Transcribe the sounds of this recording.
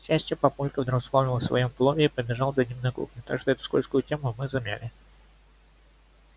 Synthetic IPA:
ɕæsʲt͡ɕəpɐpulʲkəvd̪ɾəkspˠonʲɪlˠəsvɐ̰jo̞mplˠovʲɪipəbʲɪʐalˠvzɐdʲimnɨjəkɾṵknʲɪt̪a̰ɡʐɨzɛt̪ʊ̥skolʲskʊjʊtʲemʊmɨzɐmʲæ̰lʲɪ

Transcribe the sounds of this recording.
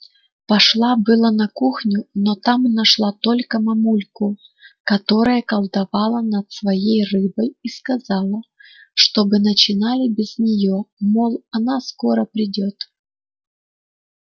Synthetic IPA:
pɐʂlˠabɨlˠənɐkuxnʲʊnot̪amnɐʂlˠat̪o̞lʲkəmɐmulʲkʊkɐt̪o̞ɾəjəkɐlˠd̪ɐvɑlˠənɐt̪svɐjejrɨbəjiskɐzɑlˠəʂt̪obɨnɐt͡ɕɪnalʲɪbʲɪznʲɪjomolˠɐnasko̞ɾəpɾʲɪdʲo̞t̪

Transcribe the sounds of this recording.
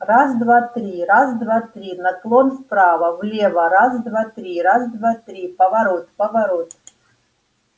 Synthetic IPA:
razd̪vat̪ɾʲirazd̪vat̪ɾʲinɐklˠonspɾavɐvlʲevɐɾazd̪vat̪ɾʲiɾazd̪vat̪ɾʲipɐvaɾot̪pɐvaɾot̪̚

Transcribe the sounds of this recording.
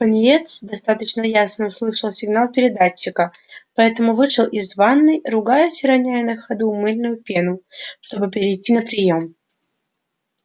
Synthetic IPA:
pənʲɪjet̪sd̪ɐst̪at̪ət͡ɕnəjasnəʊslˠɨʂəlˠsʲɪɡnalˠpʲɪɾʲɪd̪at͡ɕːɪkəpɐɛt̪əmʊvɨʂɨlˠʔɪzvanːɨjrʊɡajʊsʲɾɐnʲajɪnəxɐd̪umɨlʲnʊjʊpʲenʊʂt̪o̞bɨpʲɪɾʲɪjtʲːinəpɾʲɪjo̞m

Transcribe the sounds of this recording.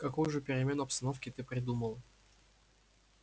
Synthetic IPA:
kɐkujʊʐɨpʲɪɾʲɪmʲe̞nʊɐpst̪ɐno̞fkʲɪt̪ɨpɾʲɪd̪uməlˠ

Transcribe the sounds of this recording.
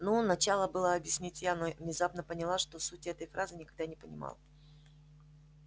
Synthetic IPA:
nunɐt͡ɕalˠəbɨlˠəɐbjɪsʲnʲitʲjanovnʲɪzapnəpənʲɪlˠaʂt̪o̞sutʲɛt̪əjfɾazɨnʲɪkɐɡ̚d̪anʲɪpənʲɪ̰ma̰lˠ

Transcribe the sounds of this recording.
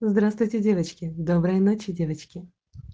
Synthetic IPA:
zd̪ɾast̪vʊjtʲɪdʲevət͡ɕkʲɪd̪obɾəjnot͡ɕɪdʲevət͡ɕkʲɪ

